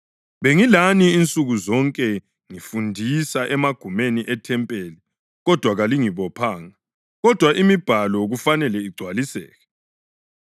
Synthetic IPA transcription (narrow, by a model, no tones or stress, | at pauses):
βeŋilaniːnt͡sʼuɣuzɔŋkʼɛ | ŋifundʱisaʔɛmaɡ̥ʱumeniʔɛtʰɛmpʼeli | ɣɔd̥ʱwaɣaliŋiβɔpʰaːŋa | ɣɔd̥ʱwaʔimib̥ʱalɔɣufanɛlɛiɡ͡ǀʱwalisɛ̰ːɣɛ